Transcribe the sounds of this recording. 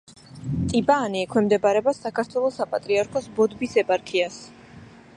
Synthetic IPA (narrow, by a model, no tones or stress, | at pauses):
t̪ʼibaːniɛkʰwɛmd̪ɛbaɾɛbasakʰaɾt̪ʰwɛlˠɔsapʼat̪ʼɾiaɾkʰɔsbɔd̪bisɛpʼaɾkʰias